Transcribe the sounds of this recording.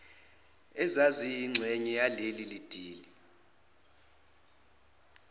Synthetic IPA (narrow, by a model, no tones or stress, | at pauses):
ɛzazijːŋ͡ǀʱeɲijalelilid̥ʱiːli